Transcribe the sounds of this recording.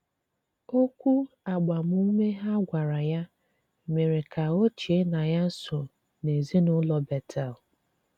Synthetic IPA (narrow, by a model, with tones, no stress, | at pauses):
o˦kʷu˦ | a˨ɡ͡ba˨m˦u˦me˦ɦa˦ɡʷa˨ɾa˨ja˦ | me˨ɾe˨ka˨o˦t͡ʃi˨e˦na˨ja˦n̩˦sʊ˨ | ne˨zi˦nʊ˦lɔ˦bɛ˨tʰa˨l